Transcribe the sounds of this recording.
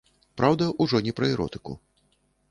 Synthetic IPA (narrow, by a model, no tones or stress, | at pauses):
pɾʔawd̪ɐʔuʐɔnʲɛpɾɐɛɾɔ̰t̪ɨ̥kṵ